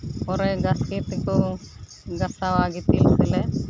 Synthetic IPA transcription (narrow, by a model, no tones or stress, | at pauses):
ɔɾɛɡaskit̪kɔ | ɡasawaɡit̪ilsɛlɛ